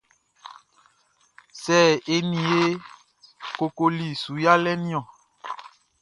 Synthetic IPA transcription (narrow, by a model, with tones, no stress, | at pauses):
sɛː˦˨e˦nĩ˨e˦ | ko˨ko˨li˨su˨ja˦lɛ˦nĩ˦ɔ̃˨